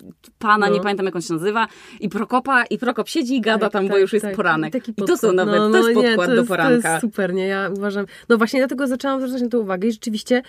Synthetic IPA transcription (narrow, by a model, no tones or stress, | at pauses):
panaɲɛpamʲjẽɛnt̪amjakɔnɕɛnazɘvaipɾɔkɔpaʔipɾɔkɔpɕed͡ʑiːɡad̪at̪amb̪ɔjuʂjɛst̪apɔɾanɛkt̪akʲipit̪ɔsɔwnanvɛt̪ːnɔɲpɔɛkwad̪ɔpɔɾaɔjɛsk̪asupɛɾɲɛjauvaʐam | nɔvwaɕɲɛd̪lat̪ɛɡɔzat͡ʂɛwamzɾut̪at͡ɕ̬nat̪ɛ̃uvaɡɛiʐɛt͡ʂɨvʲiɕt͡ɕɛ